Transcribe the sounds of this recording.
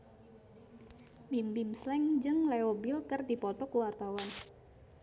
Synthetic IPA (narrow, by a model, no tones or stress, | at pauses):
bimbimslɛŋd͡ʒɨŋlɛobɪlkɨrdipɔt̪ɔkuwart̪awan